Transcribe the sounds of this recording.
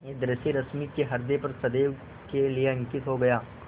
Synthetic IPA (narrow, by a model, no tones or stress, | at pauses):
ed̪ɾɪsiɾɐsmikeɦɐɾd̪epɐɾsɐd̪e | kelieɐ̃ŋkɪt̪ɦoɡɐjaː